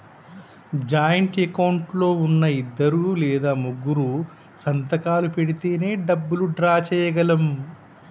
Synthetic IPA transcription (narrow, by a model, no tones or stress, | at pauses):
d͡ʒaːjɐɳʈekɐwɳʈlo̞ːunːɐid̪ːɐɾuːlɛːd̪aːmuɡːuɾu | sɐnt̪ɐkaːlupeɽit̪e̞ːne̞ːɖɐbːuluɖɾaːt͡ʃɛːjɐɡɐlɐm